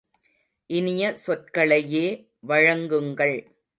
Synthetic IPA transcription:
ʔɪnɪjɐsɔʈ̚kɐɭɐjeː | ʋɐɻɐŋɡɯŋɡɐɭ

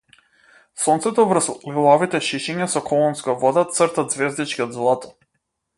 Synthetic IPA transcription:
sɔnt̪sɛt̪ɔvər̩slilˠɔvit̪ɛʃiʃɛɲasɔkʰɔlˠɔnskavɔd̪at̪səɾt̪ad̪zvɛzd̪it͡ʃkiɔd̪zlˠɔt̪

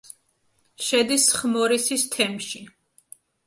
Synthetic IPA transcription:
ʃɛd̪isχmɔɾisist̪ʰɛmʃi

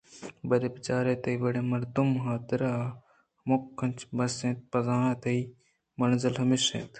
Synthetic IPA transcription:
bɐɾeːpɪt͡ʃaːɾet̪ɐiʋɐɽeːmɐɾd̪umɦaːt̪ɾaː | mʊkʰːɐ̃nʲt͡ʃʰbɐsẽːt̪̚pɐzaːãːt̪ɐi | mɐnzɪlɦɐmisḛ̃ːt̪ʰ

